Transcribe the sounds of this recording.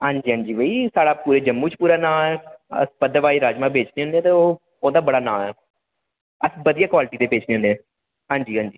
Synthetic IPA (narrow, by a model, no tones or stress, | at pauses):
ɦãːɲd͡ʒiːɦãːd͡ʒiːbəiːsaːɽaːpuːɾeːd͡ʒəmːuːt͡ʃpuːɾaːnãːɛːə̰spəd̪əʋaːiːɾaːd͡ʒmãːbeːt͡ʃneːɦʊnd̪eɛ̃ːt̪eːoː | oːd̪aːbəɽaːnãːɛː | əsbəd̪ijaːkwaːlʈiːt̪eːbeːt͡ʃneːɦʊ̃nd̪ɛ̃ː | ɦãːɲd͡ʒiːɦãːɲd͡ʒiː